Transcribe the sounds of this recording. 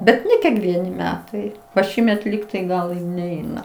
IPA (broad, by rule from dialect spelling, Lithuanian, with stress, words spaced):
ˈbʲɛt ˈnʲɛ kʲiɛkˈʋʲiɛnʲɪ ˈmʲæːtɐɪ ʋɐ ˈʃʲiːmʲɛt ˈlʲiːktɐɪ ˈɡɐlˠ ˈnʲɛɪnɐ